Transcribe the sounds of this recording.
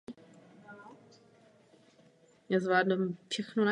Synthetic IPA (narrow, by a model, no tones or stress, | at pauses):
jaːzvlaːdumfʃɛxnona